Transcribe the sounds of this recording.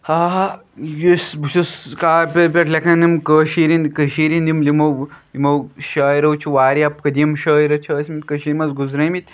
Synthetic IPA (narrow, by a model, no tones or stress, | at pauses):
haːɦ | jusbuʃuskaːpʲɐpʲɐʈlɐkɐnimkəːʃiːɾinkəʃiːɾind̪imlimɐwlimɐwʃaːiɾɐwt͡ʃʰuʋaːɾiɐpkɐd̪ijɐmʃɐːiɾɐt͡ʃʰɐːsʲmit̪ʲkɐʃiɾmɐsɡuzɾɐmit̪ʲ